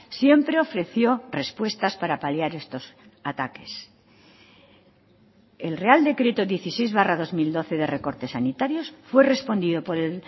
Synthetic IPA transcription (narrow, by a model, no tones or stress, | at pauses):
sje̞mpɾe̞o̞fɾe̞θjo̞re̞spwe̞st̪aspaɾapaljaɾe̞st̪o̞sat̪ake̞s | elre̞ald̪e̞kɾe̞t̪oðje̞θise̞jzβarað̞o̞zmild̪o̞θe̞ðere̞ko̞ɾt̪e̞sːanit̪aɾjo̞sfwe̞re̞spo̞nd̪iðo̞po̞ɾel